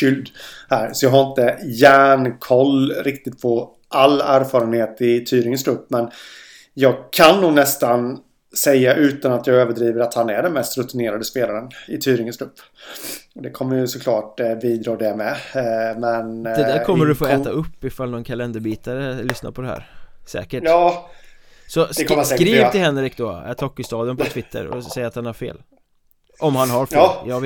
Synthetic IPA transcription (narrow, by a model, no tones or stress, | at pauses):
kʏld̪hæːɾsɔjɑːɡɦaɾɪnt̪əjæːɳkʰɔlːɾɪkt̪ɪt̪pʰɔ | ʔalːæːɾfɑːɾənheːt̪ɪt̪ʰyːɾɪŋənsklɵpːmɛn | jɑːɡkʰanːuːɡnɛst̪an | sɛjːaʔʉ̟ːt̪anat̪jɑːɡøːvəɖɾiːvəɾat̪hanæɖɛnmɛst̪ɾɵt̪ɪneːɾad̪əspeːlaɾənɪt̪ʰyːɾɪŋənsk̪ʰlɵpː | ɔd̪ɛkʰɔmːəjɵsɔkʰlɑːʈbiːd̪ɾɑːd̪ɛmɛmɛnd̪ɛæːɾkʰɔmmːəɖɵfoːɛːt̪aɵpːɪfalnɔnkʰalɛnd̪əɾbiːt̪aɾəlʏsna̰ɾpʰɔd̪ɛɦæ̰ːɾsɛ̰ːkəʈː | sɔdkkɾiːt̪ʰɪlhɛnɾɪk̚d̪ɔ̰ɛ̰ʈ̪ʰɔkːʏst̪ɑːd̪jənpʰɔt̪ʰvɪt̪ʰːə̰ɾɔ̰sɛjːat̪hanhæɾfḛːl | ʔɔmhanɦaɾfjɑ